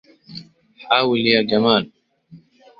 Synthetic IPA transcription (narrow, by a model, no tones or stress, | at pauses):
ħaːwɪljad͡ʒamaːl